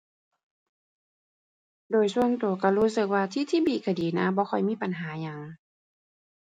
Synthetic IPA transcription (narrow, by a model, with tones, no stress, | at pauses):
doː˨˩jsu˧ənt̪u˨˩ɐ˦ka˧˩ɾuː˧˥˦sɯ˧˩k̚waː˧t̪ʰiː˧˥˨t̪ʰiː˧˥˨biː˧˩kʰa˧˩diː˨˦naː˧˥˨bɔː˧˦xʰɔ˧˩jmiː˧˥˨pa˨nɦaː˨˦ɲa˨˩ŋ